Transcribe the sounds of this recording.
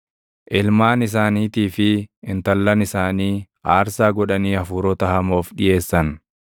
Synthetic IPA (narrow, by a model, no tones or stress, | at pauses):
ʔɪlmaːnɪs̬aːniːt̪iːfɪɪnt̪ɐlːɐnɪsaːniː | aːɾsaːɡɔᶑɐniːɐfuːɾɔt̪ɐhɐmo̞ːfᶑɪje̞ːsːɐn